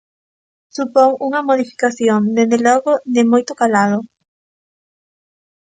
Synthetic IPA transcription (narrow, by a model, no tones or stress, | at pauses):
supoŋuŋamoðifi̥kaθjond̪ezðeloɣoðemojt̪okalaðo